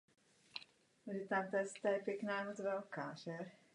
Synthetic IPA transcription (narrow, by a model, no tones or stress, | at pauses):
ʒit̪amt̪ast̪ajɛpjɛknaːjɛmot͡svɛlkaːʒɛ